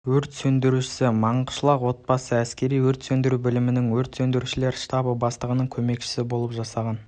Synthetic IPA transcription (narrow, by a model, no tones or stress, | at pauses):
wɵɾt̪sɵnd̪ɪɾuʃɪ̥sɪmɑɴqə̥ʃəlˠɑqwo̞t̪̚bɑsəæskʲe̞ɾijwɵɾt̪sɵnd̪ɪɾubɪlɪmɪnɪŋwɵɾt̪sɵnd̪ɪɾuʃɪle̞ɾʃt̪ɑbəbɑst̪ˠəʁənəɴkʲʰɵme̞kʃɪ̥sɪbo̞lˠəpʒɑsɑʁɑn